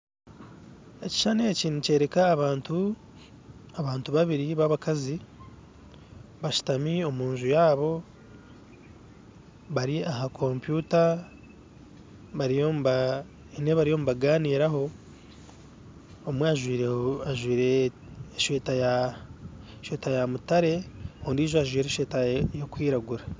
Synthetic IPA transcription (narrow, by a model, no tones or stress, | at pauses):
e̞ci̥ʃane̞ːciːnuce̞ːɾekaːβaːntu | aβaːntuβaβiɾiβaβakazi | βaʃu̥tamio̞muːɲʒujaːβo̞ | βaɾiaɦakʰo̞mpjuːta | βaɾijomβa | neβaɾijo̞muβaɡaːniːɾaɦo̞ | mweaʒwiːɾeaʒwiːɾe̞ːʃeːtaja | ʃweːtajamutaɾe̞hoːndiːʒoaʒwiːɾe̞ʃeːtajo̞kwiːɾaɡuɾa